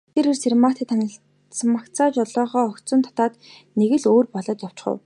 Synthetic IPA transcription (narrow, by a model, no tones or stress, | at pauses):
t̪eɾersermarʰt̪ʰĕt̪ʰːanə̆ɬ | smakt͡sʰaːt͡ɕɔɮɔːʁɔːɔk̪t͡sə̆nt̪ʰɔ̥t̪aːt̪ | neɣɘ̆ɮoːrpɔɮɞ̆t̪jaw̥t͡ɕχə̰w